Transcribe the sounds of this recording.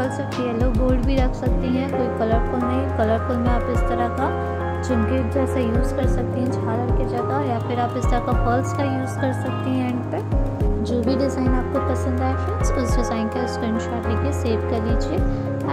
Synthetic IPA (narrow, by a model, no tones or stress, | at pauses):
ɐlsɐk̚t̪iɦɛloːboːɾɖbʱiɾɐkʰsɐk̚t̪iɦɛ̃koːikɐləɾkolnɐɦĩkɐləɾkolmẽaːpɪst̪ɐɾaka | d͡ʒɪnked̪ɛsejuːzkɐɾsɐk̚t̪iɦɛ̃t͡ʃʰaːləɾked͡ʒɐɡajapɪɾaːpɪst̪ɐɾɐkapɐlskajuːzkɐɾsɐk̚t̪iɦɛ̃ɛ̃ɳɖped͡ʒoːbʱiɖɪzaːɪnaːp̚kopɐsə̃nd̪aːefɪsʊsɖɪzaːɪnkeɪskɾɪ̃ɳɖʃaːʈekeseːʋkɐɾlit͡ʃʰieː